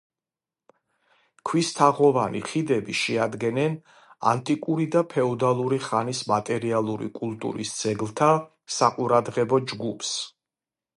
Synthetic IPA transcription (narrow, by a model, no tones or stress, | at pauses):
kʰwist̪ʰaʁɔvanḭχid̪ɛbiʃɛad̪ɡɛnɛn | a̰nt̪ʼikʼuɾid̪apʰɛɔd̪alˠuɾiχanismat̪ʼɛɾialˠuɾḭkʼulˠt̪ʼṵɾisd̪z̥ɛɡlˠt̪ʰa | saqʼuɾad̪ʁɛbɔd͡ʒɡupʰs